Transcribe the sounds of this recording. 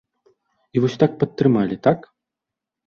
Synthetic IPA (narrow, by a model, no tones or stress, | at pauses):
ivɔsʲt̪ak̚pɐt̪ːɾɨmalʲit̪ak